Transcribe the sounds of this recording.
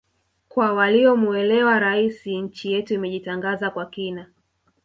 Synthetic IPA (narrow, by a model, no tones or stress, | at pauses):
kwawaliɔmuɛlɛwaɾaisiɲ̩t͡ʃijɛtuimɛʄitaŋɡazakwakina